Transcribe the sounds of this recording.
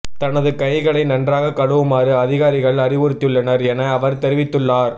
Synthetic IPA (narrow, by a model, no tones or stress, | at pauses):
t̪ɐnɐðɯkɐjɣɐɭɐɪnɐndraːɣɐkɐɽɯʋɯmaːɾɯɐðɪɣaːɾɪɣɐɭɐrɪʋʊɾɯt̪ːɯɭːɐnɐɾɛnɐːʋɐɾt̪ɛɾɪʋɪt̪ːɯɭːaːɾ